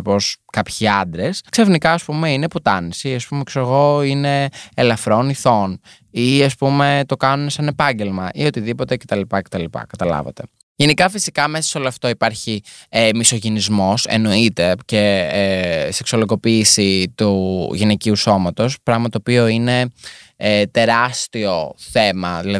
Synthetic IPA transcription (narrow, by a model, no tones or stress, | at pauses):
po̞skɐpçiɐnd̪ɾesksefnikɐːspumeine̞put̪ɐnisiɐspumeksoseɣo̞ine̞ːlɐfɾo̞niθo̞n | iɐspume̞t̪o̞kɐnunesɐne̞pɐɲɟe̞lmɐʔiot̪iðipo̞t̪e̞ce̞t̪ɐlipɐce̞t̪ɐlipɐ̰kɐt̪ɐlɐ̰vɐ̰t̪e̞̰ | ʝe̞nikɐfisikɐme̞sɐ̥so̞loɐft̪oipɐɾçiemiso̞ʝenizmo̞sḛno̞it̪e̞ce̞ | seksoloɣo̞piːsit̪uʝineciuso̞mɐt̪o̞spɾɐɣmɐt̪t̪oːpio̞ine̞et̪e̞ɾɐst̪io̞θemɐðilɐ